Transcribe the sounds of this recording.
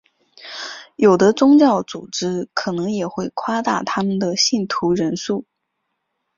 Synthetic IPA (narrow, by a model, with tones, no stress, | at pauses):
jo˨˩ʊd̪ə˦t͡sʊ˥ŋt͡ɕjɑ˥˩ʊt͡su˨˩ʈ͡ʂɻ̩˥kʰɤ˨˩nɤ˧˥ŋjɛ˨˩xwe˥˩ɪkʰwa˥t̪a̰˥˩t̪ʰa˥mə˨nd̪ə˩ɕi˥˩nt̪ʰu˧˥ɻə˧˥nʂu˥˩